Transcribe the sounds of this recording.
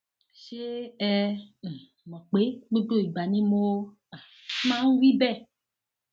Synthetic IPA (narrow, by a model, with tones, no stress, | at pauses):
ʃe˦ɛ˦˨ | mɔ̃˨k͡pe˦ɡ͡bo˦ɖo˦˨i˨ɡ͡ba˨nĩ˦mo˦o˦ | a˨˦ | mã˦ŋ̩˦wi˦bɛ˦˨